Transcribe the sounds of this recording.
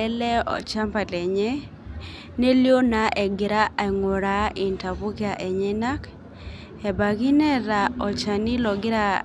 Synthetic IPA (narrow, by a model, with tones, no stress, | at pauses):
ɛ˦lɛ˦ɔ̰˨t͡ʃa˦mpa˨tɛ˨ɲɛ˦ | ne˦ljo˦na˨˦ʔɛ˨ɡɪ˨ɾa˦a˨ŋo˨ɾa˦i˨nta˨pu˦kja˨ʔɛ˨ɲɛ˦na˦k | ɛ˨ba˨ɡi˦nɛ˦ɾa˨ɔ˨t͡ʃa˨ni˦lɔ˨ɡɪ˦ɾa˦